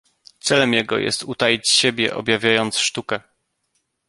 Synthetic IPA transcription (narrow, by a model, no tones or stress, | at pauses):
t̪sɛlɛmjɛɡɔ̰jɛ̰st̪ut̪ajit͡ɕɕebʲjɛ̰ʔɔ̰bʲjavʲjajɔnt̪sʂt̪ukɛ